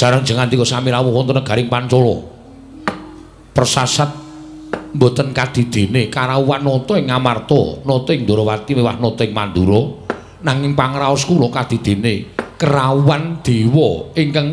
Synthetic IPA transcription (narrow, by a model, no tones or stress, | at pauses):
ʒ̥a̤ɾəŋ̥d͡ʒ̥əŋand̪ikɔsamiɾawɔɦwɔnt̪ənəɡ̥a̤ɾɪŋpant͡ʃɔlɔ̰ | pərsasat̪̚ | mbo̤t̪ənkad̪̥i̤d̪̥e̤nekaɾauwanːɔt̪ɔɪŋamart̪ɔ̰nɔt̪ɔɪŋnd̪o̤ɾɔwat̪iwewahnɔt̪ɔɪŋmand̪uɾɔ | naŋɪŋpaŋɾaɔskulɔkad̪̥i̤d̪̥e̤nekəɾauwand̪̥e̤wɔɪŋkaŋ